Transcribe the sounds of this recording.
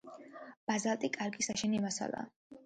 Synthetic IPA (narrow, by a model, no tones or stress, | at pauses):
b̥azalˠt̪ʼikʼaɾɡisaʃɛnimasa̰lˠa̰ː